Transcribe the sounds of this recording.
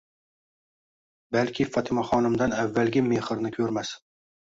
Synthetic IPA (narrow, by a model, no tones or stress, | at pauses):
balkʲʰɪfɒt̪ʰɪmaχɒnɪmd̪anavːalɡʲɪmeχɨɾnɪkʲʰɵɾmas